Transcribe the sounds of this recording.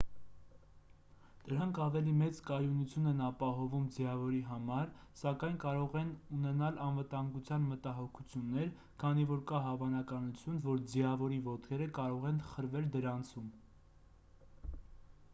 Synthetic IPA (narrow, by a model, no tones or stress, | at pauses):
d̪̥əɾɑŋkʰɑvɛlimɛt͡skɑjunut͡sʰjunɛnɑpɑɦɔvumd͡zjɑvɔɾiɦɑmɑɾsɑkɑjnkɑɾɔʁɛnunɛnɑlɑnvət̪ɑŋɡut͡sʰjɑnmət̪ɑɦɔkʰut͡sʰjunːɛɾ | kʰɑnivɔɾkɑɦɑvɑnɑkɑnut͡sʰjunvɔɾd͡ziɑvɔɾivɔt̪kʰɛɾəkɑɾɔʁɛnχəɾvɛld̪əɾɑnt͡sʰum